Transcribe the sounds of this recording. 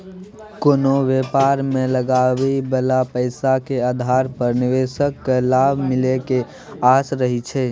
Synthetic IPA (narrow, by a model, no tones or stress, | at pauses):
konoʋepaɾmeləɡabibəlapəɪsakead̪ʱaɾpəɾniʋesəkːlabʱmɪleke | asɾəɦit͡ʃʰɛ